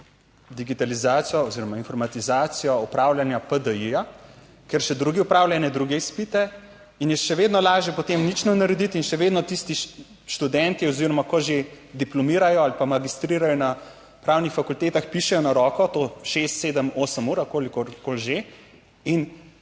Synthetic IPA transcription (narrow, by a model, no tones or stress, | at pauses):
d̪iɡit̪alizaːt̪sijɔɔziɾɔmainfɔɾmat̪izaːt̪sijɔupɾaːwlʲanjapəd̪əija | keɾʃɛd̪ɾuːɡiupɾaːwlʲanɛd̪ɾuɡɛispit̪ɛ | injɛʃɛʋeːd̪nɔlaːʒɛpɔt̪emnit͡ʃnɛnaɾɛd̪it̪inʃɛʋeːd̪nɔt̪ist̪i | ʃt̪ud̪ɛnt̪iɔziːɾɔmakɔʒe | d̪iplɔmiːɾajɔalipamaɡist̪ɾiːɾajɔna | pɾaːwnixfakult̪eːt̪axpiʃɛjɔnaɾɔːkɔt̪oʃest̪seːd̪əmoːsəmuːɾakoːlikɔɾkolʒe | in